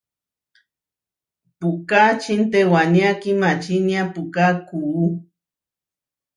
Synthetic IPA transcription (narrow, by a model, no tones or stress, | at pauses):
pukat͡ʃint̪ewanjakimat͡ʃinjapukakuː